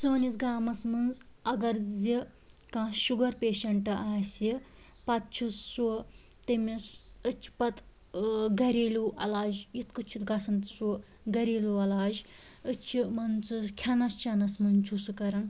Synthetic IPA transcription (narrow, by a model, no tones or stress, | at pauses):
sɨːnisɡaːmɐsmɨnzɐɡɐɾd͡zi | kãːʃuɡɐɾpeːʃɐɳʈɨʔaːsi | pɐt̪̚t͡ʃʰusːu | t̪emisɨt͡ʃʰi̥pɐt̪ | ɡɐɾiːluʔɐ̰laːd͡ʒjit̪kɨt͡ʃʰut̪ɡɐsɐnt̪su | ɡɐɾiːluɐlaːd͡ʒ | ɨt͡ʃʰimɐnt͡sɨkʲʰɐnɐst͡ʃʰɐnɐsmɐnt͡ʃʰusukɐɾɐn